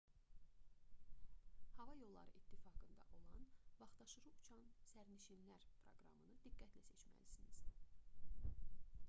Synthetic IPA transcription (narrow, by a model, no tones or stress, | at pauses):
hɑvɑjo̞lˠːɑ̰ɾɯ̰ʔit̪ʰːifɑɡɯnd̪ɑ̰ʔo̞lˠɑnvɑχd̪̥ɑʃɯɾɯut͡ʃʰɑnsæɾniʃinlæɾpʰɾo̞ɡɾɑ̰mɯnɯd̪iɡːæt̪læse̞t͡ʃmæ̰lisiniz̥d̪i